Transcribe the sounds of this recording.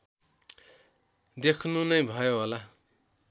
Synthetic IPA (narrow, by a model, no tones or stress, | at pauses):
d̪ekʰnunʌjbʱʌjoɦola